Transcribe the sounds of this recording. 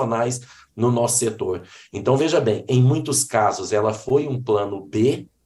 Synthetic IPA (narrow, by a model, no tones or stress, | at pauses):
onajs | nʊnɔsʊ̥set̪oɾẽnt̪ɐ̃w̃veʒɐbẽj̃ẽj̃mũj̃t̪ʊskazʊzɛlɐfojũplɐ̃nʊbe